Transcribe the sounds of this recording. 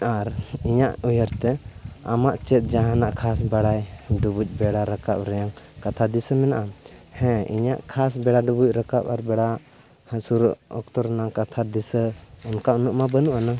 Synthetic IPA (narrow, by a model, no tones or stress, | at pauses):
aɾiɲaʔujəɾt̪ɛa̰maʔt͡ʃɛt̪̚d͡ʒaɦãnaʔkʰas̬baɽajɖubuc̚ˀbɛɽaɾakap̚ɾɛjaŋkat̪ʰad̪isəmɛnaʔahɛ̃ḭɲaʔkʰas̬bɛɽaɖubuc̚ɾakapaɾbɛɽa | hə̃suɾʔɔ̰k̚t̪ɔɾnakat̪ʰad̪isəɔnkaunəʔmabənuʔana